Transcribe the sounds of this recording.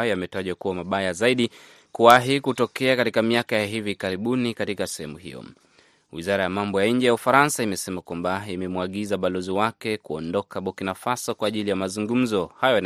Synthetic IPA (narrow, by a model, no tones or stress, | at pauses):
jjamɛtaʄɔkuwamaɓajazaiɗi | kuwaɦikutɔkɛakatikamiakajaɦivikaɾiɓunikatikasɛhɛmuhḭjɔ̰ | wḭzaɾajamambɔjaɲ̩d͡ʒɛjaufaɾansaimɛsɛmakwambaimɛmwaɠizaɓalɔziwakɛkuɔndɔkaɓɔkinafasɔkwaːʄilijamazuŋɡum̩zɔhajɔn